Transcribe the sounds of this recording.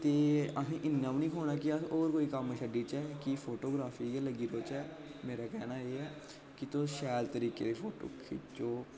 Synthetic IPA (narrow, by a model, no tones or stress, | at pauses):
t̪eːəɦĩːʔɪnːãːbnĩːkʰoːɳaːkɪəoːɾkoːiːkəmːʃəɖiːt͡ʃɛːkɪpʰoːʈoːɡɾaːfʰiːeləɡiːɾoːt͡ʃɛː | meːɾaːkɛːnaːeːɛː | kɪt̪oʃɛːlt̪əɾiːkḛːd̪eːpʰoːʈo̰ːkʰḭt͡ʃoː